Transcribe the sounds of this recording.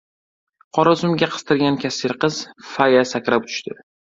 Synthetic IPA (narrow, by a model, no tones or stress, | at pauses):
qʰɒɾazʊmɡʲaqʰɨ̥st̪ʰɪɾɡʲankʲʰasɪɾqɨz̥fajasakʲɾapt̪ʰʊ̥ʃt̪ɪ